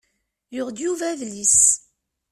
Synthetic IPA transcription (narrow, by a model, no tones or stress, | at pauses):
jʊʁd̪juvævlis